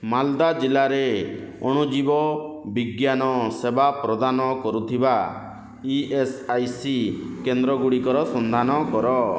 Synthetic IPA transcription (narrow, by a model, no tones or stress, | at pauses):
mald̪ad͡ʒilaɾeɔ̰ɽ̃ud͡ʒibɔbiɡjanɔsebapɾɔd̪anɔkɔɾut̪ʰiba | iʔesajsikend̪ɾɔɡuɽikɔɾɔsɔnd̪ʱanɔkɔɾɔ